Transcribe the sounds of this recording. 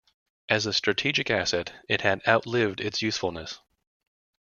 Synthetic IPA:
ʔɨzɨstɹ̥ɨtʰid͡ʒɨkæsɛɾɨt̚hɨɾaʊtˡlɪvdɪtsjʉsfl̩ˠnɨs

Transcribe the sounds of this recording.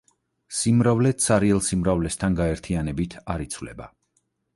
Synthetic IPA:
simɾavlɛt̪sʰaɾiɛlˠsimɾavlɛst̪ʰanɡaɛɾt̪ʰianɛbit̪ʰaɾit̪sʰvlɛ̰ba̰

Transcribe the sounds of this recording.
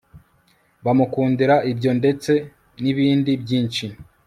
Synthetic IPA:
βamukuːndiɾaʔibɟo̞nde̞t͡se̞ | niβiːndibjiːnt͡ʃi

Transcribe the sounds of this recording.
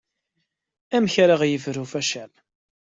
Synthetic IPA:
æmçɾaʁjəfɾufæʃæl

